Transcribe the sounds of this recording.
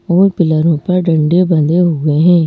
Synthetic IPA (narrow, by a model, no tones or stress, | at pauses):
oːpɪləɾõpɐɾɖə̃ɳɖebɐ̃nd̪eɦoɡɐeɦɛ̃ː